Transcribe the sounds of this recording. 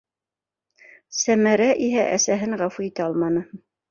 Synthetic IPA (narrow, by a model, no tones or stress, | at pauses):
sæmæɾæʔiɦæʔæsæɦɘɴʁɑfuit̪æɑlˠmɑnɤ